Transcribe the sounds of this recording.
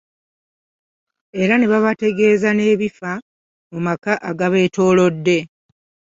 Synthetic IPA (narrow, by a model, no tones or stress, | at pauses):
e̞ɾane̞βaβate̞ɡe̞ːzane̞ːβifa | mumakaʔaɡaβe̞ːto̞ːlo̞dːe̞